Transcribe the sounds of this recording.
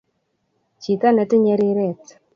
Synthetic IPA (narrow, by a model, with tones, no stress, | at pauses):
t͡ʃi˨ka˦nɛ˨tɪ˦ɲɛ˧˦ɾɪ˦ɾɛ˦˨t